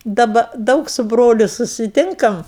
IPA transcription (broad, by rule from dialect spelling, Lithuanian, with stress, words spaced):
dɐˈbɐ ˈdɐʊk sʊ ˈbroːlʲʊ sʊsʲɪˈtʲɪŋkɐm